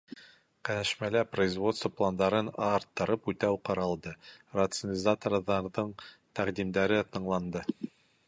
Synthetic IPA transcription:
qænæʃmælæprəizvo̞t̪st̪vəplˠand̪ɑɾɤnɑɾt̪ːɤ̆ɾɤpʉt̪æwqɑɾɑlˠd̪ɤrɐt̪sənʲɪzat̪orðɑɾðɤɴt̪æqd̪imd̪æɾɘt̪ɤ̆ɴlˠɑnd̪ɤ

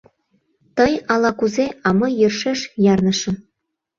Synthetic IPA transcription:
t̪ɤjɑlɑkuzeʔɑmɤ̆jərʃeʃjɑrnɤ̆ʃɤ̆

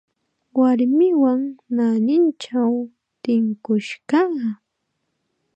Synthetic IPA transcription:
waɾmɪwaŋnanɪnt͡ʃaw | t̪ɪŋkʊʃɢɑ

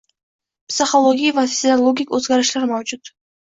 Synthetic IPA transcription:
psɪχolˠoɡʲijavafʲsʲolˠoɡʲikɵzɡʲaɾɪʃlaɾmawd͡ʒʊt̪

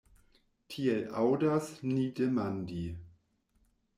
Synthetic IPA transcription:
tʰielʔawdasnidemandi

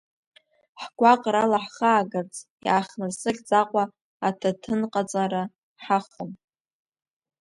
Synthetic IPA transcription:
ħɡʷaqʼɾalaħχaːɡɨrt͡sʼja̰ːχnɨrsɨχʲʼd͡zʼaqʷʼaː | tʰatʰɨnqʼat͡sʼaɾa | ħaχəm

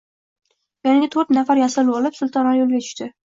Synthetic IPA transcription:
jɒnɪɡʲɪt̪ʰɵɾt̪nafaɾjasɪlɒlɪpsʊlˠt̪ʰɒnɒɾjolˠɡʲat͡ʃʰʊ̥ʃt̪ɪ

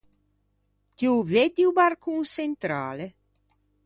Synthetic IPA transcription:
t̪iuved̪iubarkʰunsent̪ɾa̰ːle

